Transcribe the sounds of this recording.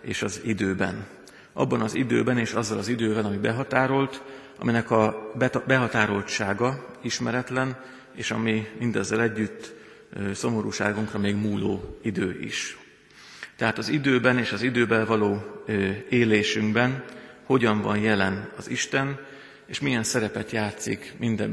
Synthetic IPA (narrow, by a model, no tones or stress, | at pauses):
eːʃɒzid̪øːbɛ̰n | ʔɒ̰bːɒnɒzḭd̪øːbɛneːʃɒzːɒlɒzid̪øːvɛlɒmibɛɦɒt̪aːɾo̞lt̪ | ɒ̰minɛkɒbbɛɦɒt̪aːɾo̞lt͡ʃaːɡɒiʃmɛɾɛt̪lɛn | eːʃɒmimind̪ɛzːɛlɛɟːyt̪ː | so̞mo̞ɾuːʃaːɡuŋkrɒmeːɡmuːlo̰ːid̪øːʔḭʃ | t̪ɛɦaːt̪ɒzid̪øːbɛneːʃɒzid̪øːbɛlvɒloː | eːleːʃyŋɡbɛnho̞ɟɒɱvɒnjɛlɛnɒziʃt̪ɛn | eːʃmijɛnsɛɾɛpɛt̪jaːt̪sḭkmind̪ɛ